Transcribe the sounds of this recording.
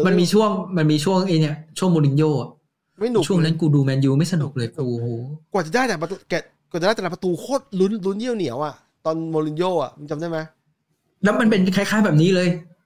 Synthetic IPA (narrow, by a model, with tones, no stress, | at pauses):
ma˧nmiː˧t͡ɕʰu˥˩əŋma˧nmiː˧t͡ɕʰu˥˩əŋʔeː˧ni˥˩t͡ɕʰu˥˩əŋmoː˧li˧njoː˥˩a˨˩ | ma˥˩jn˨˩t͡ɕʰu˥˩əŋna˦˥nkuː˧duː˧mɛː˧njuː˧ma˥˩jsa˧du˨˩k̚lɤː˧jkuː˧hoː˨˦kwaː˨˩t͡ɕa˧˩daː˥˩t͡ɕaː˨˩p̪kɛ˨˩ | kw̪a˨˩da˥˩t͡ɕa˨a˧˩p̚a˧t̪uː˧kʰoː˥˩t̪̚lu˦˥nlu˦˥nji˥˩əwni˨˩˦əwʔa˨˩ | t̪ɔː˧nmoː˧li˧njoː˥˩ʔa̰˨˩ʔmɯ˧ŋt͡ɕa˧ndaː˥˩jma˦˥j | lɛ˦˥wma˧npe˧nkʰa˦˥jxʰaː˦˥jbɛː˨˩p̚niː˦˥lɤː˧j